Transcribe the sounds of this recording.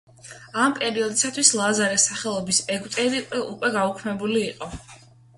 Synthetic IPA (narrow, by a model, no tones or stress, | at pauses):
ampʼɛɾiɔd̪isat̪ʰwislˠazaɾɛsaχɛlˠɔbisɛɡʼt̪ʼɛd̪iukʼwɛɡaukʰmɛbuliːqʼɔ